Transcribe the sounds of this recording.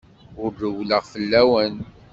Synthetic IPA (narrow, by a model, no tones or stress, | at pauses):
ʊɾðəwləʁfəlːæwən